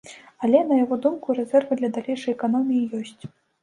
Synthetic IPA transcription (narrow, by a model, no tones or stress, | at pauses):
alʲɛnɐjaɣɔd̪umkuɾɛzɛrvɨd̪lʲɐd̪alʲejʂɐjɛkanɔmʲijijɔsʲt͡sʲ